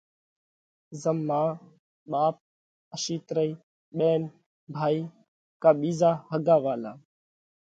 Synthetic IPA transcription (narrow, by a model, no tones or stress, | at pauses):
zəmːaː | ɓaːp̚ | əʃiːt̪ɾəiː | ɓeːn | bʱaːiː | kaːɓiːzaːhəɡaːʋaːlaː